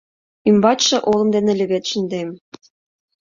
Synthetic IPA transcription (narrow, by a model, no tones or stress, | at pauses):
ymbɑt͡ɕʃɤ̆ʔolˠɤ̆md̪enĕlʲɘ̆βet̪ʃə̆nd̪em